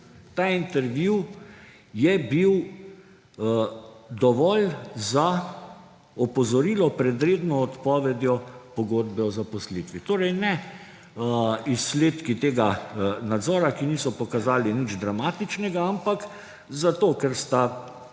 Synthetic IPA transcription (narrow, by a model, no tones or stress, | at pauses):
t̪aːint̪ɛɾʋjuw | jɛbiw | d̪ɔʋɔlza | ɔpɔzɔɾiːlɔpɾɛd̪ɾeːd̪nɔːt̪pɔːʋɛd̪jɔpɔɡoːd̪bɛɔzapɔslit̪ʋit̪oːɾɛjnɛ | isːleːt̪kit̪eːɡanad̪zɔːɾakiniːsɔpɔkazaːlinid͡ʒd̪ɾamaːt̪it͡ʃnɛɡaampak | zat̪oːkɛɾst̪a